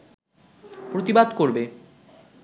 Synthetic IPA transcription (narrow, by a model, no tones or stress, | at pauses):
pɾot̪ibad̪koɾbe